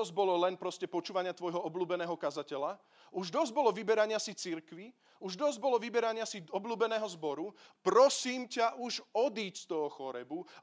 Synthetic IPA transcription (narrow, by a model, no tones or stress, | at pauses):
ɔzɟbɔlɔlɛnpɾɔscɛpɔt͡ʃuːʋaɲɪat̪ʋɔjɦɔɔbluːbɛnɛːɦɔkazacɛla | uʒd̪ɔzɟbɔlɔʋibɛɾaɲɪasit͡siɾkʋi | uʒd̪ɔzɟbɔlɔʋibɛɾaɲɪasiɔbluːbɛnɛːɦɔzbɔɾupɾɔsiːmcaʔuʒɔd̪iːcst̪ɔɦɔxɔɾɛbu